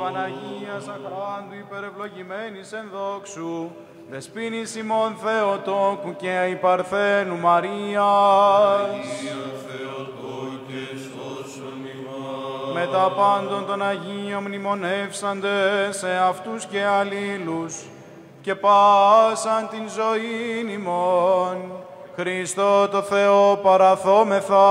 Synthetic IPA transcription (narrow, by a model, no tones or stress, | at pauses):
pɐnɐʝiɐsɐxɾɐnd̪uipe̞ɾe̞vlo̞ʝime̞nise̞nðo̞ksu | ðe̞spinisimo̞nθe̞ot̪o̞kuceipɐɾθe̞numɐɾiɐ | me̞t̪ɐpɐnd̪o̞nt̪o̞nɐʝio̞mnimo̞ne̞fsɐnd̪e̞se̞ɐft̪usce̞ɐlilus | ce̞pɐsɐnt̪inzo̞inimo̞n | xɾist̪o̞t̪o̞θe̞o̞pɐɾɐθo̞me̞θɐ